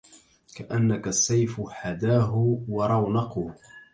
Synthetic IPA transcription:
kaʔanːakasːajfʊħad̪aːɦʊwɑɾˤɑwnɑqʊ

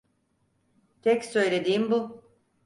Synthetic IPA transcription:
t̪ʰɛcsø̞jlʲe̞d̪iːmbu

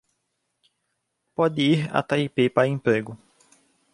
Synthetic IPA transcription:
pɔd̪ɪiɾa̰t̪aipepaɾẽpɾeɡʊ

